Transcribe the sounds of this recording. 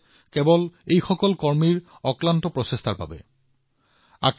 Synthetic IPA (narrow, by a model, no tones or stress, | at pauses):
kɛbɔlejxɔkɔlkɔɹmiɹ | ɔklantɔpɹɔsestʰaɹba̰bɛ̰ | a̰k